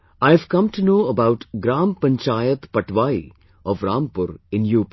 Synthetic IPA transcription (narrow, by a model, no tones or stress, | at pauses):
aɪʋkɐ̃mʈunoːəbaʊʈɡɾaːmpɐ̃ɲt͡ʃaːjət̪pɐʈʰʋaːḭ | ɔʋɾãːmpʊɾɪ̃njuːp